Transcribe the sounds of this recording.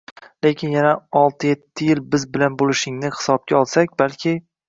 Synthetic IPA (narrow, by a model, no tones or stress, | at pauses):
le̞kʲɪnjanaɒlˠt̪ʰɪjet̪ʰːɪjɪlbɪzbɪlanbolɪʃɪŋnɪhɪ̥sɒb̚kʲaɒlˠsakʲbalkʲʰɪ